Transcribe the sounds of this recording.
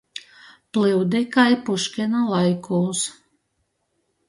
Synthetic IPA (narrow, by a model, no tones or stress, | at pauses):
plɨwd̪ekajpuʃkʲenalˠajkuːs